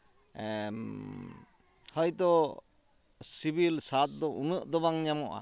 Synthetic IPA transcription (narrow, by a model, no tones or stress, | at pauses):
hɔjt̪ɔ | sibilsat̪̚d̪ɔʔunɯʔd̪ɔβaŋɲamɔʔa̰